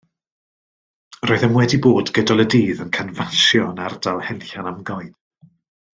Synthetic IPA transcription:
roːɨðəmwɛdiboːdɡədalˠədiːðənkʰanvaʃjɔnardalˠhɛlˠɬanamɡɔɨð̥

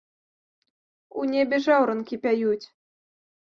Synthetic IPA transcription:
unʲɛbʲɛʐawɾɐnkʲipʲajut͡sʲ

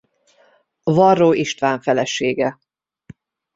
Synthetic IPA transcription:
vɒrːoːiʃt̪ʋaːɱfɛlɛʃeːɡɛ

